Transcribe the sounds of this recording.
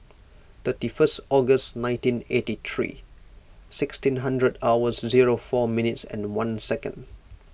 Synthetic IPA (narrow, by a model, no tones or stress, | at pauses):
t̪ətifəstɔɡəsnãɪ̃ntĩnetit̪ʰɹḭ | sɪkstĩnɦãndɹədawəsziɹofɔmĩnɪtsɛ̰̃nwãnsɛkə̰̃nd